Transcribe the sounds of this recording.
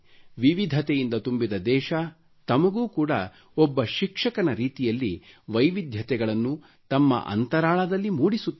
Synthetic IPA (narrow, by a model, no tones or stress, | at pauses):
ʋiʋid̪ʱɐt̪ɛjind̪ɐt̪umbid̪ɐd̪ɛːʃɐ | t̪ɐmɐɡuːkuːɽɐ̰ | ɔbːɐʃikʂɐkɐnɐɾiːt̪ijɐlːiʋɐjʋid̪ʱjɐt̪ɛɡɐɭɐnːu | t̪ɐmːɐ̰ʔɐ̰nt̪ɐɾaːɭɐd̪ɐlːimuːɽisut̪ː